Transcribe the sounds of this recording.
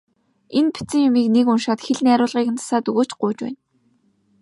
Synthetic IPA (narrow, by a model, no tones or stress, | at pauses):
enpi̥t͡sɘ̆ŋjʊmiːknekʊnʃaːt̪xeɮnæːɾʊːɮʁiːkɘ̆nt͡sʰḁsaːt̪ɵɣoːt͡ɕɢʊːt͡ɕwæ̰ːn